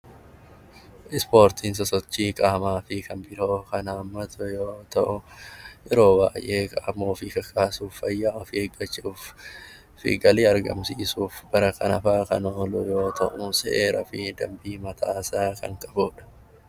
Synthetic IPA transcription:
ʔɪspo̞ːɾt̪ʰiːns̬ɐsɔt͡ʃːiːkʼaːmaːfɪkɐnbɪlo̞ːkɐnaːmːɐt̪ʰɐjo̞ːt̪ɐʔʊʔɛɾo̞ːba̰ːjʔe̞ːkʼɐmːoːfiːkɐkʰʼaːsuːfːɐjːaːɔfiːɛɡːɐt͡ʃːuːf | fɪ̰ɡɐliːɐɾɡɐ̰msiːsuːfb̥ɐɾɐkɐnɐfaːkɐ̰noːlʊjo̞ːt̪ʰɐʔʊsɛʔeːɾɐfɪd̪ɐ̰mbiːmɐt̪ʰaːsaːkɐ̰ŋkʼɐboːᶑɐ̥

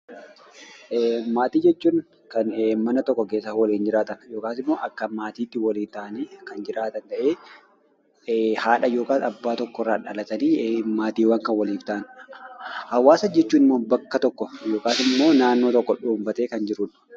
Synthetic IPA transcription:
maːt̪iːd͡ʒɛt͡ʃːuːn | kɐnːmɐnɐt̪ɔkːɔkeːsːɐwɐliːnd͡ʒɪɾaːt̪ɐnjoːkaːsɪmːo̞ːʔɐkːɐmaːt̪iːt̪ːɪwɐliːnt̪aːneːkɐnd͡ʒɪɾaːt̪ɐnt̪ɐʔeː | haːᶑɐjo̞ːkaːnɐbːaːt̪ɔkːɔrːaːᶑɐlɐt̪ɐniːmaːt̪iːwaŋkɐnwɐliːft̪aʔn | hɐwaːsɐd͡ʒɛt͡ʃːuːnɪmːoːbɐkːɐt̪ɔkːɔjo̞ːkaːsɪmːo̞ːnaːnːo̞ːt̪ɔkːɔᶑuːmbɐt̪eːkɐnd͡ʒɪɾʊᶑɐ̥

